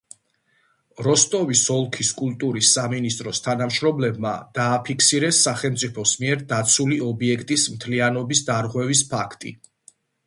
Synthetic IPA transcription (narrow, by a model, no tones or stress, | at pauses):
ɾɔst̪ʼɔvisɔlˠkʰiskʼult̪ʼuɾisːaminist̪ʼɾɔst̪ʰanamʃɾɔmlɛbma̰d̪̥aːpʰikʰsiɾɛsːaχɛlmt̪sʼipʰɔsmiɛɾd̪at̪sʰuliɔbiɛkʰt̪ʼismt̪ʰlianɔbisd̪aɾʁwɛvispʰakʰt̪ʼḭ